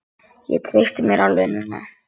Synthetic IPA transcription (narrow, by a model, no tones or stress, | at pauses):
jɛ̰t̪ʰɾejst̪ɪmjɛɾʔalœnʏnːa̰